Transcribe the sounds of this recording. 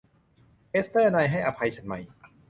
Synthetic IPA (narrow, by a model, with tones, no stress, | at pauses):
ʔe˦˥st̪ɛː˥˩na˧jɦa˥˩jʔa˧pʰa˧jt͡ɕʰa˨˦nma˧˩j